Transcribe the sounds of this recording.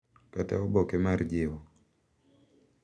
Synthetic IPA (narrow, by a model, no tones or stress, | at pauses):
kata̰ɔbɔkemard͡ʒɪwɔ